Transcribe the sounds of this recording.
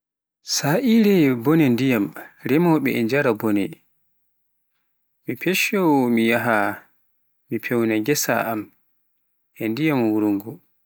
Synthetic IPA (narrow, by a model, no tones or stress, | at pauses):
saʔiɾɛbɔnɛndijamɾɛmɔɓɛ̰ɛɲd͡ʒaɾabɔnɛ̰ | mipʰɛʃɔmijaɦa | mipʰɛwnaɡɛsa̰ʔam | ʔɛndijamwuɾuŋɡu